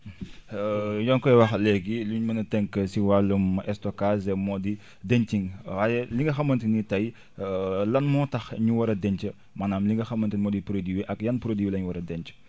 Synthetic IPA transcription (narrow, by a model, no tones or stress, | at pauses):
jɔnkɔjwɐxlɛɡiluɲmɐnɐtɛŋkəsiwalːumɐʔɛstɔkazɛmɔdi | dɛɲtiŋwaːjɛliŋɡɐxɐmːɐntinitɐj | lɐnmɔtɐxɲuwɐɾɐdɛɲcə | manaːmliŋɡɐxɐmːɐntinmɔdipɾodiwiʔɐkjɐnpɾodiwilɐɲuwɐɾɐdɛɲt͡ʃə̥